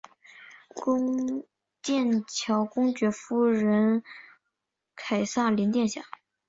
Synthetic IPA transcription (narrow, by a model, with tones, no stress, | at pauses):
kʊ˥ŋ | t̪jɛ˥˩nt͡ɕʰjɑ˧˥ʊkʊ˥ŋt͡ɕɥɛ˧˥fu˥ɻə˧˥n | kʰa˨˩ɪsa˥˩li˧˥nt̪jɛ˥˧nɕja̰˥˩